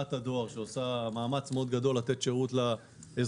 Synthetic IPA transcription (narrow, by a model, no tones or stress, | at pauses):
at̪ad̪o̞aʁʃeosamaːmat͡smeo̞d̪ɡado̞lːat̪e̞t̪ʃeʁut̪la | ez